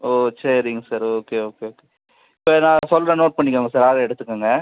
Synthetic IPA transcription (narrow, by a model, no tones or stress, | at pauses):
oːsɐɾɪŋɡɐsaːɾoːkeoːkeoːke | ɪpːoːnãːsɔlɾɐnoːʈ̚pɐɳːɪkːaːŋɡɐsaːɾaːɣɐɛɽɯt̪ːɯkːaːŋɡɐ